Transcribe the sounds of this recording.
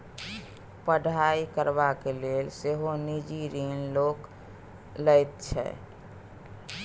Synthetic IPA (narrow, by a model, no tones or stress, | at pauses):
pəɖʱaikəɾbakelelseɦonid͡ʒiɾinloːk | ləɪt̪̚t͡ʃʰɛ̰